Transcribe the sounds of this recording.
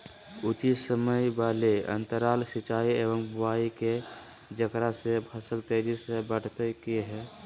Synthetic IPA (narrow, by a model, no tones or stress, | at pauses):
ʊt͡ʃisəməjbaːleə̰nt̪əɾaːlsɪt͡ʃaːieːʋəmbʊaːike | d͡ʒəkɾasepʰəsəlt̪eːd͡ʒisebəɽt̪ekiɦɛː